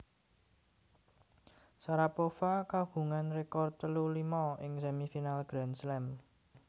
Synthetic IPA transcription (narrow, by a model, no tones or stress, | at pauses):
saɾapofakaɡṳŋanrekɔrt̪əlulimɔɪŋsɛmifinalɡ̥ɾɛnslɛm